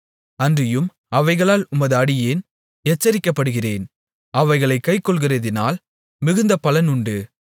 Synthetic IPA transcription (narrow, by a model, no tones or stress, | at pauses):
ɐndrɪjɯm | ɐʋɐɪɣɐɭaːlʊmɐðɯɐɽɪjeːn | ɛt͡ʃːɐɾɪkːɐpːɐɽɯɣɪreːn | ɐʋɐɪɣɐɭɐɪkːɐɪkːɔɭɣɪrɐðɪnaːl | mɪɣɯnd̪ɐpɐlɐnʊɳɖɯ